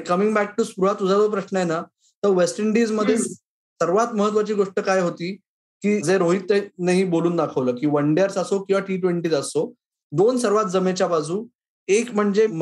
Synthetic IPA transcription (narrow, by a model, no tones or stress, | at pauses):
kəmiŋɡbæk̚ʈuspɾuɦat̪ud͡zʱad͡zop̬ɾəɕnəjena | t̪əɾʋesʈəɳɖiːd͡zməd̪ʱːje | səɾʋat̪məɦət̪ʋat͡ɕiːɡoʂʈəkajɦot̪iː | kiːd͡zeɾoɦit̪ːənaɦiboluːnd̪akʰəʋləːkiːʋəɳɖjaɾsəsokĩw̃ʋaʈiːʈʋeɳʈiːt͡səso | d̪onsəɾʋat̪̚d͡zəmet͡ɕjabad͡zʱuː | ekm̤əɳd͡zem